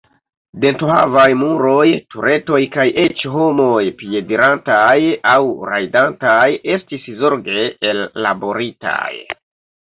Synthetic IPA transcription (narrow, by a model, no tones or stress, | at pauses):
de̞ntuha̰vajmuɾo̞jtuɾe̞to̞jkaje̞t͡ʃɦo̞mo̞jpie̞diɾantajawɾajdantaje̞stiszo̞ɾɡe̞elːa̰bo̞ɾita̰j